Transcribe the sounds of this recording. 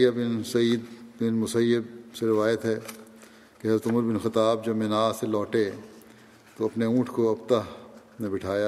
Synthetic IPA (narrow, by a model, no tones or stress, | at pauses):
jabɪnsɐiːd̪bɪnmʊsɐjːɪb̚seɾɪʋaːjət̪ɦɛ | keɦɐzɾət̪ʊməɾbɪnxɪt̪aːb̚d͡ʒɐbmɪnaːselɔːʈe | t̪oɐpneũːʈʰkoɐpt̪a | mebɪʈʰaːja